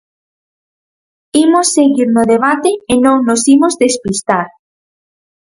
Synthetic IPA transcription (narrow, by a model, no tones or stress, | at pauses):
imosːeɣiɾnoðeβ̞at̪eːnõŋnosimozðespist̪aɾ